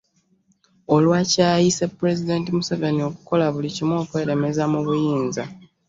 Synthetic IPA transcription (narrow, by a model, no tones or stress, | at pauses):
o̞lwacaːjise̞puɾe̞zide̞ːntimuseve̞nio̞ku̥ko̞laβulicimwo̞ːkwe̞ːɾe̞me̞zamuβujiːnza